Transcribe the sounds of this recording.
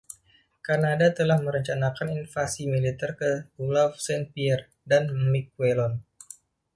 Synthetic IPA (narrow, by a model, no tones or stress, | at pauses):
karnadat̪əlahməɾəɲt͡ʃanakaninfasimilit̪ɛrkəulafsɛnpiɛr | danmik̚welɔn